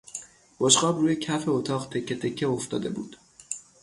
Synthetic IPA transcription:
b̥oʃqɒːbruːjecʰæfeot̪ʰɒːɢt̪ʰe̞cʰːet̪ʰe̞cʰːeoft̪ɒːd̪e̞bṵːd̪̥

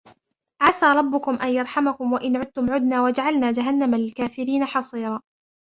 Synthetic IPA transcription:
ʕasaːɾˤɑbːʊkʊmʔanjɑɾˤħamakʊmwaʔɪnʕʊd̪̚t̪ʊmʕʊd̪naːwad͡ʒaʕalnaːd͡ʒaɦanːamalɪlkaːfɪɾiːnaħɑsˤiːɾˤɑː

